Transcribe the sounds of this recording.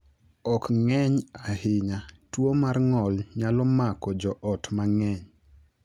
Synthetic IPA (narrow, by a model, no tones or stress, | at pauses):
ɔkŋɛɲahɪɲatwomarŋɔlɲalɔmakɔd͡ʒɔʔɔtmaŋɛɲ